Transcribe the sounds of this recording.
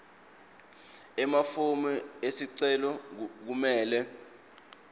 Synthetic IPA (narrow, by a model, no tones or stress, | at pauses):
ɛmafumɛesiǀɛlɔk̬umɛːlɛ